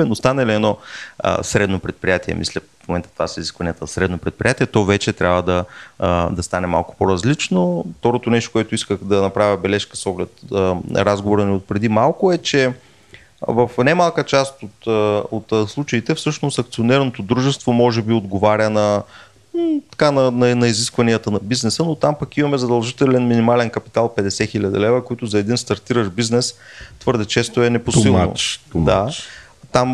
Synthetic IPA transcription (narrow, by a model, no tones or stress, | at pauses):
ɛnost̪anɐliɛnɔə̰sɾɛd̪nopɾɛt̪̚pɾijat̪iɛ̰mḭslʲəfmomɛnt̪ə̥t̪vasəiziskvɐnijɛt̪əsɾɛd̪nopɾɛt̪̚pɾijat̪iɛt̪ɔvɛt͡ʃɛt̪ɾʲʔavəd̪ɐ | d̪ɐst̪anɛma̰lˠkʊ̥poɾɐzlit͡ʃnoft̪ɔɾot̪onɛʃ̬t̪o̥kʊɛt̪oʊiskəxd̪ɐnɐpɾavʲjəbɛlɛʃkəsɔɡlɛt̪ɾazɡovoɾəniot̪̚pɾɛd̪imalˠkʊɛt͡ʃɛ | vəfnamalˠkət͡ʃast̪ot̪ot̪slˠut͡ʃɐit̪ɛfsɤʃnosɐk̚t̪sionɛɾnot̪od̪ɾuʒɛst̪vomɔʒɛbiod̪ɡovaɾʲjənɐ | t̪ɐ̥kanɐnɐnɐiziskvɐnijət̪ənɐbiznɛsənot̪ampɐkimɐmɛzɐd̪ɐlˠʒit̪ɛlɛnminimalɛnkɐpi̥t̪alˠpɛd̪ɛsɛxilʲɐd̪ḭlɛvəkoit̪ʊzɐɛd̪inst̪ɐɾt̪iɾəʃbiznɛst̪vɤɾd̪ɛt͡ʃɛst̪oɛnɛposilˠno̰md̪a | t̪am